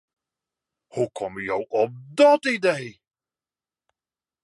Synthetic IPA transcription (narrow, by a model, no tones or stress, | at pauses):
hukʰɔməjowɔp̚dɑtidej